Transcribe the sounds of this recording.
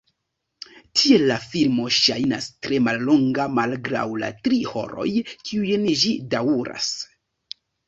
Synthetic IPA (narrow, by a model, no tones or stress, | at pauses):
tʰie̞lːafilmo̞ʃajnastɾe̞malːo̞ŋɡamalɡɾa̰wla̰tɾiho̞̰ɾo̞̰jkʰiujnʒidawuɾa̰s